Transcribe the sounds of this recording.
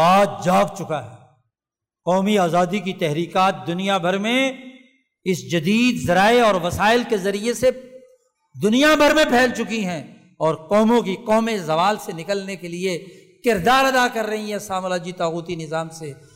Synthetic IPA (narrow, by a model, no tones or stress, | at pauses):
aːt̪̚d͡ʒaːɡt͡ʃʊkaɦɛː | qɔːmiaːzaːd̪ik̬it̪ɛɦɾiːqaːt̪̚d̪ʊnijabʱɐɾmẽ | ɪsd͡ʒɐd̪iːd̪zɐɾaːeɔːɾʋɐsaːɪlkezɐɾiese | d̪ʊnijabʱɐɾmẽpʰɛːlt͡ʃʊkiɦɛ̃ | ɔːɾqɔːmõkiqɔːmezɐʋaːlsenɪkəlnekelie | kɪɾd̪aːɾɐd̪akɐɾːɐɦĩɦɛ̃saːmlaːd͡ʒit̪aːkuːt̪inɪzaːmse